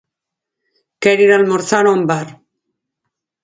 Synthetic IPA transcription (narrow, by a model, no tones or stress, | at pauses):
keɾiɾalmoɾθanombar